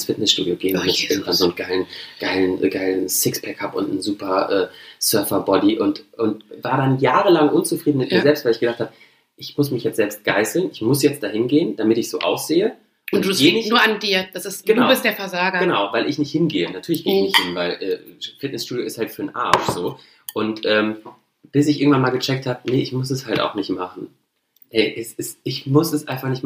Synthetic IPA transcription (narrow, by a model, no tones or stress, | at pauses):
ɪnsfɪtnɛsʃtṵːdioɡeːənanmʊsçʔɪɐɡŋ̩tv̥anzoːnɡ̥aɪlənɡ̥aɪlənʔɡaɪlənsɪkspʰɛkʰapʔʊntn̩zuːpɐʔɛːsœɐfɐbɔdiʔʊntʔʊntvaːɐɾanjaːʁəlaŋʔʊnt͡sufʁ̥iːdn̩mɪtmiːɐzɛlpstv̥aɪlɪçɡ̥əzaχthaːbə | ʔɪçmʊsmɪçjɛt͡sz̥ɛlpst̚ɡ̥aɪsl̩nɪçmʊsjɛt͡std̥aːɦɪnɡeːənd̥amɪtɪçz̥oːʔa̰ʊsz̥eːə | ʔʊnduɡ̥eːnɪnuɐandiːɐd̥asɪsɡ̥ənaʊɪstd̥eːɐfɛɐzaːɡɐɡənaʊvaɪlʔɪçnɪçthɪnɡeːənatʰyːɐlɪçɡ̥eːɪççnɪçthɪnvaɪlʔɛːfɪt̚nɛsʃtuːdjoɪsthaltfyːɐnʔa̰ɐtz̥oː | ʔʊntʔɛːm | b̥ɪsɪç̬ɪɐɡŋ̩tvanmaːlɡət͡ʃɛk̚thaːbənəʔɪçmʊs̬ɛshalta̰ʊxnɪçtmaχn̩ | ʔɛɪʔɛsɪsɪçmʊsɛsʔaɪ̃nfaχnɪçtm